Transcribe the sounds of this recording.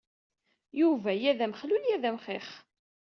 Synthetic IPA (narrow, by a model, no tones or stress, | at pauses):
juvæjæðæmχluljæðæmχeχ